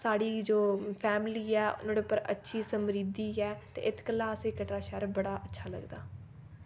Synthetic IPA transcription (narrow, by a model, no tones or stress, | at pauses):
saːɽiːd͡ʒoːpʰɛːmliːɛːʊ̰nãːɽeːpəɾə̰tːʃʰiːsəmɾiːd̪iːɛːt̪ḛːʔɪt̪kəlːãːəseːkəʈɾaːʃɛɾbəɽaːʔətːʃʰaːlə̰ɡd̪aː